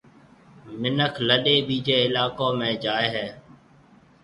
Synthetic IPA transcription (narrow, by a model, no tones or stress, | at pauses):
mɪnəkʰləɗeːɓiːd͡ʒeːɪlaːkõːmẽːd͡ʒaːeːɦɛː